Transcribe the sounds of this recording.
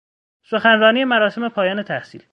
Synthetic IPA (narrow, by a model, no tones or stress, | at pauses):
so̞xænrɒːniːje̞mæɾɒːse̞me̞pʰɒːjɒːne̞t̪ʰæhsiːl